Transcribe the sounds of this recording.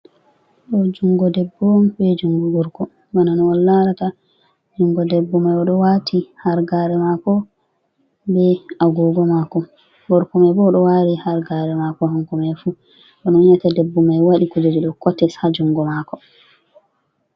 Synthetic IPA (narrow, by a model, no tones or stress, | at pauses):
ɗɔd͡ʒuŋɡɔdɛbːɔnbɛd͡ʒuŋɡuɡuɾkɔ | bananɔwɔlːaɾata | d͡ʒuŋɡɔdɛbːumajɔɗɔwatʰihaɾɡaɾɛmakɔ | bɛaɡɔɡɔmakɔ | bɔɾkɔmajbɔɗɔwaɾihaɾɡaɾɛmakɔhaŋkɔmajfu | ɗɔnɔnatadɛbːumajwaɗikud͡ʒod͡ʒiɗɔkɔtːɛsad͡ʒuŋɡɔmakɔ